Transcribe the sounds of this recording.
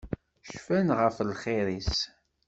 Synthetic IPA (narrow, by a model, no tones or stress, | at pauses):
ʃfænʁəflχɪɾis